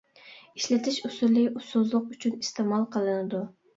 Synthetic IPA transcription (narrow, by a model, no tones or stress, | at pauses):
iʃlɪt̪ʰɪʃysuɾlɪusʊzlˠʊqyt͡ʃʰynist̪ʰɪmɑlˠqʰəlˠɨnɪd̪u